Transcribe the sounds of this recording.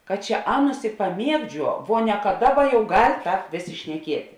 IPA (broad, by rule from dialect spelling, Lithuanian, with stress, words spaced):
kɐt ˈt͡ʃʲɛ ˈɑːˌnʊs ɪ pɐˈmʲiɛɡˌd͡ʒʲuɔ ʋoː nʲɛ kɐ ˈdɑːˌbɐ jɛʊ ɡɐlʲ ˈtɑːp ˈʋʲeːˌsʲeː ʃʲnʲɛˈkʲiɛtʲɪ